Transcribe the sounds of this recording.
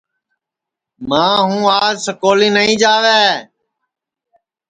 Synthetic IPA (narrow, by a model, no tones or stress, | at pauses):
mãːɦũːaːd͡ʒsəkoːliːnəĩːd͡ʒaːʋeː